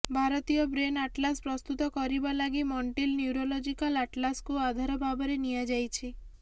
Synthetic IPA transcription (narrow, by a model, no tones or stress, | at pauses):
bʱaɾɔt̪ijɔbɾenaʈlaspɾɔst̪ut̪ɔkɔɾibalaɡimɔɳʈilnjuɾolɔd͡ʒikalaʈlaskuad̪ʱaɾɔbʱabɔɾenijad͡ʒajt͡ʃʰi